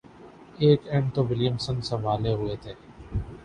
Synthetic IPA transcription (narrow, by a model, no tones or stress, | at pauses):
eːkɛ̃ɳɖt̪oʋɪljəmsənsəʋaːleɦʊeːt̪ʰeː